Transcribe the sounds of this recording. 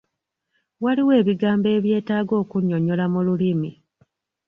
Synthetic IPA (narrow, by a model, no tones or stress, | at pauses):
waliwe̞ːβiɡaːmbe̞ːβje̞ːtaːɡo̞ːkuɲo̞ɲo̞lamululimi